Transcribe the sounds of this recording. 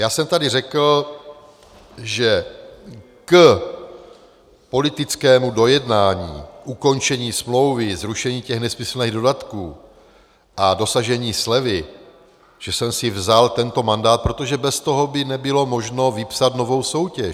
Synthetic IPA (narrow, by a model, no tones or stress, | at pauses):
jaːsɛmt̪adɪr̝ɛkl̩ | ʒɛ | k | po̞lɪt̪ɪt͡skɛːmudojɛdnaːɲḭːʔuko̞nt͡ʃɛɲiːsmlo̞wvɪzɾuʃɛɲiːcɛxnɛsmɪsl̩niːɣdo̞dat̪kuː | ʔado̞saʒɛɲiːslɛvɪ | ʒ̥ɛsɛmsɪvzalt̪ɛnt̪o̞mandaːt̪̚pɾo̞t̪o̞ʒɛbɛst̪o̞ɦo̞bɪnɛbɪlo̞mo̞ʒno̞vɪpsat̪no̞vo̞wso̞wcɛ